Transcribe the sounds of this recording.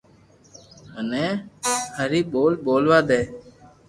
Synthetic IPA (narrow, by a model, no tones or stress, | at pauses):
ɦənẽːhəɾiːɓoːlɓoːlʋaːd̪eː